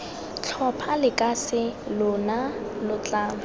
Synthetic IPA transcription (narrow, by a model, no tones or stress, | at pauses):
t͡ɬʰɔpʰalɪkʼasɪlʊnalʊt͡ɬʼaːŋʊ